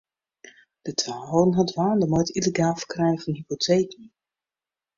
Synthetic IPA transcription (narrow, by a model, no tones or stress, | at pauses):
d̥ətʰaonɦɑdʋaːndəmojtileɡaːlˠfə̥krɛjnəvɑnɦipotʰejkən